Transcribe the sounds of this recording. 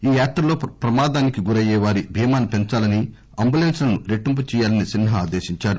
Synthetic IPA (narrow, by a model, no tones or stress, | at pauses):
iːjaːt̪ɾɐlo̞ːpɾɐmaːd̪aːnikiɡuɾɐjɛːʋaːɾibʱiːmaːnupent͡ʃaːlɐni | ɐmbulenslɐnuɾeʈːump̬ɐt͡ʃɛːjaːlɐnisinɦɐaːd̪eːʃiɲt͡ʃaːɽu